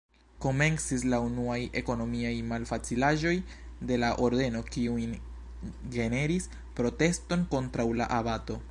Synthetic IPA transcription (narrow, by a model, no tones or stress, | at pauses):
ko̞me̞nsislaunuaje̞ko̞no̞miajmalfat͡silaʒo̞j | de̞laʔo̞ɾde̞no̞kiujn | ɡe̞ne̞ɾis | pɾo̞te̞sto̞nko̞ntɾawla̰ʔabato̞